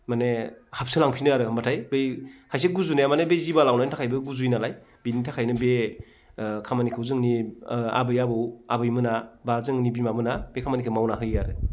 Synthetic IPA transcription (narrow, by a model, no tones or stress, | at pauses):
manehap̚sɯlaŋpʰinɯaɾɯmatʰajbejkʰajs̬eɡuzunejamanebejzibalawnajntʰakʰajbɯɡuzujnalaj | binitʰakʰajnɯbe | kʰamanikʰɯwzɯŋnia̰bɯjabɯwabɯjmɯnabazɯŋnibimamɯnab̥ekʰamanikʰɯmawnaɦɯjaɾɯ